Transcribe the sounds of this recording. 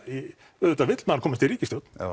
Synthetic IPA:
i | ʏðʏt̪avɪt̪l̥naɾkʰɔːmɪst̪ɪɾiːcɪsjɔwt̪n̥

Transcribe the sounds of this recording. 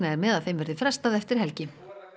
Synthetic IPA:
naɛɾmɛðaðθejmvɛɾðʏfɾɛst̪aðɛft̪ɪɾ̥hɛlcɪ

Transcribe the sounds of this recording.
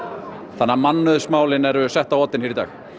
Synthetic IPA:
θanːamanːʏðsmaːwlɪnɛɾʏsɛht̪awɔt̪ːɪnfɪɾɪt̪aːx

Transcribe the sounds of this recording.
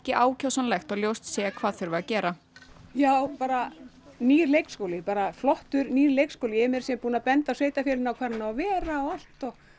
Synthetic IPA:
cɪʔaːwcʰawsanlɛjxt̪awljowst̪seːjakʰv̥aːðθʏɾvɪacɛːɾa | jaːwpaːɾa | niːɾlejkskoːwlɪpaːɾaflɔht̪ʏɾniːɾleːjkskowlɪɛmɛɾ̥sɛmpuːnapɛnt̪asveːjt̪afjɛlɪnawkʰvaːɾanaavɛːɾaɔal̥t̪ɔɣ

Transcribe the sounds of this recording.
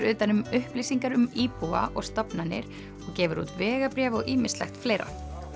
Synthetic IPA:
ɾʏːt̪anʏmʏhpliːsiŋkaɾʏmiːpua̰ʔɔɣst̪apnanːɪ̰ɾ̥ | ɔɣcɛːvʏɾṵːt̪vɛːɣapɾjɛːvɔɣʔiːmɪslɛ̰xt̪fleːjɾa̰

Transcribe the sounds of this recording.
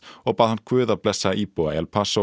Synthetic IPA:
ɔɣpaːðhankʰvʏːðaplɛsaaʔipoaɛlpʰaso

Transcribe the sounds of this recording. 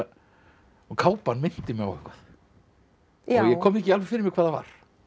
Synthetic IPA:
ɔkʰaːwpanmɪn̥t̪ɪmɛa̰wɛ̰hkvað | ɔjɛkʰɔːmɪɛcɪalvɛfɪːɾɪɾmɪkʰvaːðava̰ɾ̥

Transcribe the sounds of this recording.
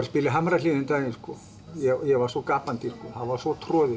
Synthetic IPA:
ɾspɪlɪɦamɾaliːðɪnt̪anɪskɔ | jɛjɛvasɔkaːpant̪iskɔhaðvḁsɔt̪ʰɾɔːðɪ

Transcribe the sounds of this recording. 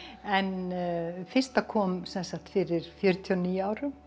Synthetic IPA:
ɛn | fɪr̥st̪akʰɔːmsɛnsakt̪fɪɾɪɾ̥fjœɾt̪ʰiɔniːjaːwɾʏm

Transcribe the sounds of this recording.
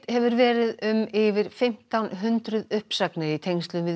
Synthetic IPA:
hɛvʏɾvɛːɾɪðʏmɪvɪɾ̥fɪm̥t̪awnɦʏnt̪ɾʏðʏhpsaknɪɾit̪ʰejɲŋst̪lʏvɪ

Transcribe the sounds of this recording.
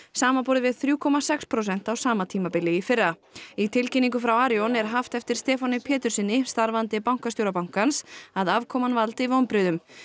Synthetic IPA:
saːmapɔːɾðɪvɪðθɾjuːkʰɔmasɛkspʰɾosɛn̥t̪awsaːmat̪ʰiːmapɪlɪifɪrːait̪ʰɪlcɪnːiŋkʏfɾawaːɾjɔnɛɾɦaft̪ɛft̪ɪɾ̥st̪ɛːfɔnɪpʰɛːt̪ʏɾ̥sɪnːɪst̪aɾvant̪ɪpawŋ̥kast̪jowɾapawŋ̥kansaðavkʰɔːmanvalt̪ɪvoːwnpɾʏːðʏm

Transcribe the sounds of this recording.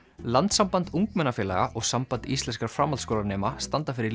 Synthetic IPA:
lant̪sampant̪uŋkmɛnːafjɛːla̰ɣa̰ʔɔɣsampant̪ist̪ɛnskaɾ̥fɾamalskoːlaɾnɛːmast̪ant̪afɪɾɪɾ

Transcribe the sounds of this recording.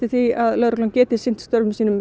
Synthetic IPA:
t̪ɪ̥θiaðlœɾklɔŋcɛːt̪ɪ̥sɪn̥t̪st̪œɾvʏmsiːnʏm

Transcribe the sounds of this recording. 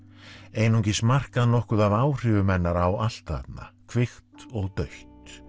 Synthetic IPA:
eːjnɔɲcɪsmar̥kaðnɔhkʏðaðaːwr̥ɪvʏmɛnːaɾawal̥t̪a̰p̪̚na̰kʰvɪxt̪ɔɣt̪œɥht̪

